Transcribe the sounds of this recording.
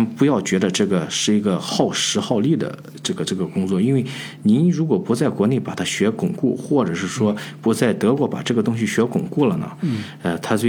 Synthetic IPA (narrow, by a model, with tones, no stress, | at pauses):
pu˧˥jɑ˥˩ʊt͡ɕɥɛ˧˥d̪ə˧ʈ͡ʂɤ˥˩ɡə˩ʂɻ̩˥˩i˧˥ɡə˧xɑ˥˩ʊʂɻ̩˧˥xɑ˥˧ʊli˥˩d̪ə̰˩ | ʈ͡ʂɤ˥˩ɡə˩ʈ͡ʂɤ˥˩ɡə˩kʊ˥ŋt͡swɔ˥˩i˥nwe˥˩ɪ | ni˧˥nɻu˧˥kwɔ˨˩pu˧˥t͡sa˥˩ɪkwɔ˧˥ne˥˩ɪpa˨˩t̪ʰa˥ɕɥɛ˧˥kʊ˨˩ŋku˥˩xwɔ˥˩ʈ͡ʂɤ˨˩ʂɻ̩˥˩ʂwɔ˥pu˧˥t͡sa˥˩ɪt̪ɤ˧˥kwɔ˧˥pa̰˨˩ʈ͡ʂɤ˥˩ɡə˩t̪ʊ˥ŋɕ̬i˨˩ɕɥɛ˧˥kʊ˨˩ŋku˥˩lə˩nə̰˩ | ə˧t̪ʰa˥t͡swe˥˧